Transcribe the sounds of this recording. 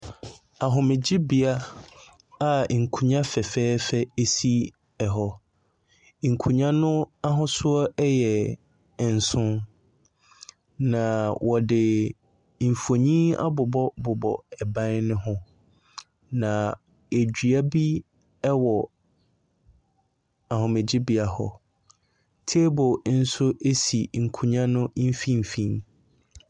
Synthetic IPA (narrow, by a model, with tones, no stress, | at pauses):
a˨ɦʊ̃˨mɪ̃˨d͡ʑɪ˦bi˨a˦ | a˨ŋ̩˨kʰũ˨ɲã˦fɛ˨fɛː˦fɛ˦e˦si˦ | ɛ˨ɦɔ˦ | ŋ̩˨kʰũ˨ɲã˦nʊ̃˦a˦ɦʊ̃˦sʊ˦ɔ˦ɛ˦jɛ˨ | n̩˨sʊ̃˦n | nã˨wʔɔ˨dɪ˨ | m̩˨fo˨ɲĩ˦a̰˦bʊ˨bɔ˦bʊ˨bɔ̰˨ɛ˨bã˦n˦nʊ̃˦ɦʊ̃˦ | nã˨ | e˨d͡ʑᶣɥa˦bi˦ | ɛ˦wɔ˨ | a˨hʊ̃˨me˨d͡ʑɪ˦bi˨a˨hɔ̰˨ | tʰe˦bɔ˨n̩˦sʊ˦ʔe˦si˨ŋ̩˨kʰũ˨ɲã˦nʊ̃˦m̩˦fĩ˦m̩˨fĩ˨n